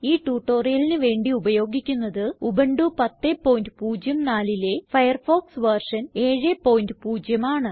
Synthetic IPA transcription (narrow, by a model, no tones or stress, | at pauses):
iːʈuːʈːo̞ːrijɐlinɨʋe̞ːɳɖiubɐjo̞ːɡikʲːunːɐðɨubeɳɖupɐt̪ːepːo̞ːjndɨpuːd͡ʑjɐmnaːlile̞fɐjɐrfo̞ːksʋɐrʂɐneːɻepːoːjndɨpuːd͡ʑjɐmaːɳɨ